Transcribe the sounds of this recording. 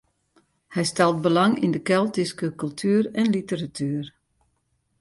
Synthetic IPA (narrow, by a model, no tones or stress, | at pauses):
hɛjstɛlˠt̚bəlaŋḭndəkɛlˠtiskəkɵlˠtʰyːɾɛnlitəratʰyːr